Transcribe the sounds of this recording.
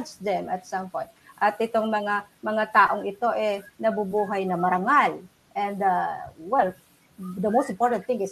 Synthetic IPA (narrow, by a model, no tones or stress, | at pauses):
t͡ʃd̪ɛmɐt̪sɐmpõj̃t̪̚ʔɐt̪ʔɪt̪oŋmɐŋamɐŋat̪aːʔoŋɪt̪o̞ʔɛnɐbubuːɦajnɐmɐɾaŋal | ʔɛ̃nd̪awɛl | d̪ɐmowst̪ɪmpoɹt̪ɐ̃nθɪ̃ŋɪs